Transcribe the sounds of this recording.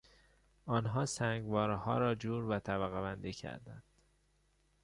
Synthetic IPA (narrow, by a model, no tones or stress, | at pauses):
ɒːnɦɒːsæŋɡvɒːɾhɒ̰ːɾɒːd͡ʒuːɾvæt̪ʰæbæɣevænd̪ecʰæ̰ɾd̪æ̰nd̪̥